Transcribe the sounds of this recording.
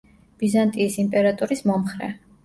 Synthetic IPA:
b̥izant̪ʼiːsimpʼɛɾat̪ʼuɾismɔmχɾɛ̰

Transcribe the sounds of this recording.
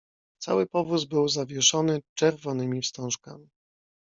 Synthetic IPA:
t̪sa̰wɘpɔvuzbɘwzavʲjɛʂɔnɘt͡ʂɛɾvɔnɘmʲifst̪ɔ̃w̃ʂkamʲi

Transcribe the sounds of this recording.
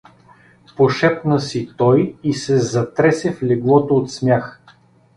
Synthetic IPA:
poʃɛpnəsit̪ɔjisɛzɐt̪ɾɛsɛflɛɡlˠɔt̪oːt̪smʲjax

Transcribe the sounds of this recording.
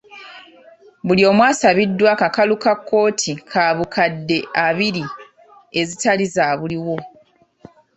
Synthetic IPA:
βulio̞ːmwaːsaβidːwakakalukakːo̞ːtʰikʰaːβukʰadːe̞aβiɾi | e̞zitalizaːβuliwo̞

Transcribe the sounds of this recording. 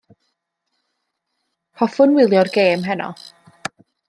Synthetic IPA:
pʰɔfʊnwɪlˠjɔrɡeːmɦɛnɔ̰

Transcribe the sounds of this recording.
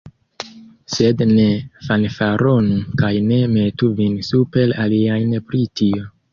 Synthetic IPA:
se̞dnefanfaɾʔonukajne̞metuvinsupe̞laliajnpɾitio̞

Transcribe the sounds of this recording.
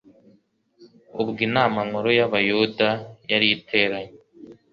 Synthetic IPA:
ubɡinaːmamoɾojaβajudajaɾijitʰe̞ːɾaɲe

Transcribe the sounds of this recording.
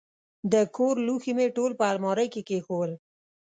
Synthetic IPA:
d̪əkʰoɾluximeʈolpəalmɔɾəjkekexowəl

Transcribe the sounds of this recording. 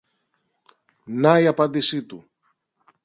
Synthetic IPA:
nɐiɐpɐnd̪isit̪u

